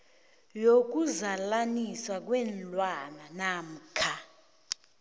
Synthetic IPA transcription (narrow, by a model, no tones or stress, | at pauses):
jok̬uzalaniswak̬wɛnlʼwananam̩kʰa